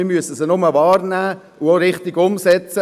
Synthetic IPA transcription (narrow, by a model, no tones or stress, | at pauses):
ɪmyəsəsənʊməʋɑːɾnæː | ʊoɾɪχtiɡʊmsɛt͡sə